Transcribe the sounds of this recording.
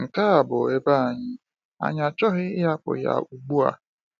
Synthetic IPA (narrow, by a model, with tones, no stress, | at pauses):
ŋ̩˨ka˦a˨bʊ˨e˦ba˦a˨ɲɪ˦ | a̰˨ɲ˦a˨t͡ʃɔ˦ɦɪ˦ɪ˦ja˦k͡pʊ̰˨ja̰˨u˨ɡ͡bu˦a̰˨